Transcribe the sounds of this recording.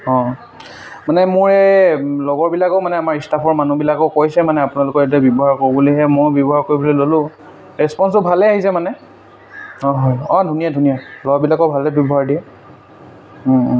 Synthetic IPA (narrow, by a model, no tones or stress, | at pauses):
ɔ̃ | manɛmʊɹɛlɔɡɔɹbilakɔʊmanɛamaɹistapʰɔɹmanubilakɔkojsɛmanɛapʊnalʊkɔɹet̬iabjɔbɔɦaɹkoɹibuliɦɛmojbjɔbɔɦaɹkoɹibulɛlolʊ̃ | ɹɛspɔnsʊbʱalɛaɦisɛmanɛ | ɔɦɔjɔ̃dʱunijadʱunijalɔɡbilakɔbʱalɛbjɔbɔɦaɹdiɛ